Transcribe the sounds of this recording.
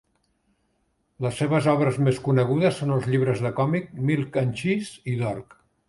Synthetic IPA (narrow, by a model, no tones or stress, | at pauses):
ləsːeβəzɔβɾəzmeskunəɣ̞uðəsːonəlˠzʎiβ̞ɾəzðəkɔmik̚milˠkanʲʃisiðɔrk